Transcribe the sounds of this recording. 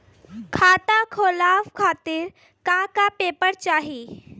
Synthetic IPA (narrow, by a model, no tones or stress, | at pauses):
kʰaːt̪akʰoːlaːfkʰaːt̪ɪɾ | kãkapeːpəɾt͡ʃaːɦiː